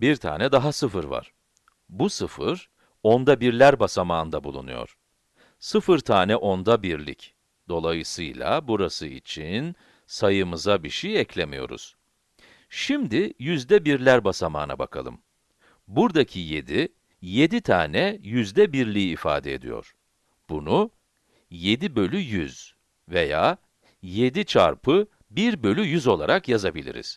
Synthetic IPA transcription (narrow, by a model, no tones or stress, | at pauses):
biɾt̪ʰa̰ːnɛd̪aɦasɯfɯɾva̰ɾ̥ | busɯfɯ̰ɾ | o̞nd̪abiɾlʲæɾbasamaːnd̪abulˠṵnṵjo̞̰ɾ̥ | sɯfɯɾt̪ʰaːnɛʔo̞nd̪abiɾlʲḭc | d̪̥o̞lˠajɯsɯjlˠa̰buɾasɯḭt͡ʃʰin | sajɯmɯzabiʃijɛclʲemijo̞̰ɾṵz̥ | ʃimd̪ijyzd̪ɛbiɾlʲæɾbasama̰ːna̰ba̰kʰalˠɯ̰m | buɾd̪acʰije̞d̪i | je̞d̪it̪ʰa̰ːnɛjyzd̪ɛbiɾlʲijiːfa̰ːd̪ɛed̪ḭjo̞̰ɾ̥ | b̥unu | je̞d̪ibø̞lʲyjyz̥ | ve̞jaː | je̞d̪it͡ʃʰa̰ɾpʰɯ | biɾbø̞lʲyjyzo̞lˠaɾakjazabilʲḭɾḭz̥